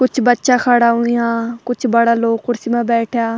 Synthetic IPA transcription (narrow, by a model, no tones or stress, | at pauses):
kʊt͡ʃʰbətːʃãːkʰaːɽaːɦʊ̃ijãːkʊt͡ʃʰbəɽaːloːkːʊɾsimãːbɛːʈʰjaː